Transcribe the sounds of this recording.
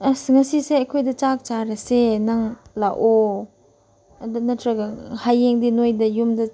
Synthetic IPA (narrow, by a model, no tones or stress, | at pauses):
sŋɐsiseɐkʰojdɐt͡ʃak̚t͡ʃaɾɐsenaŋlaʔo | dnɐtʰɾɐɡɐhajeŋdinojdɐjumdɐ